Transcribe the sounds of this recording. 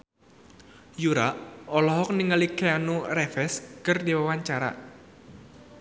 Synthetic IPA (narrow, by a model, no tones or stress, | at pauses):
juɾaʔɔlɔɦɔk̚niŋəlikeanurɛfɛskərdiwawaɲt͡ʃaɾa̰